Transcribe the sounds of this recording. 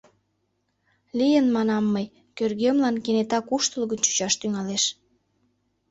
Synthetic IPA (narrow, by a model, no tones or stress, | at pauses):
lijənmɑnɑmːəj | kørɣemlɑnkenet̪ɑkuʃt̪əlɣənt͡ɕu̥t͡ɕɑʃt̪yŋɑleʃ